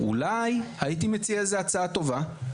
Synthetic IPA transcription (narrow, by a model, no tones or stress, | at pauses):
ṵlajhait̬ime̞t͡siaezeat͡saat̪o̞va